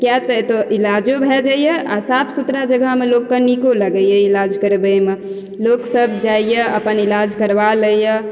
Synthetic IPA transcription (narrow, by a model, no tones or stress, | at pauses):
kjat̪əet̪oʔilad͡ʒobʱɛd͡ʒajəasapʰsut̪ɾad͡ʒəɡʱamelokːənikoləɡəjəilad͡ʒkəɾbəme | loksəbd͡ʒaijəəpənilad͡ʒkəɾbaləjə